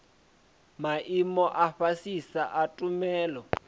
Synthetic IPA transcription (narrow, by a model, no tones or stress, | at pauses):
maʔimɔʔaɸasisaʔatʼumɛːlɔ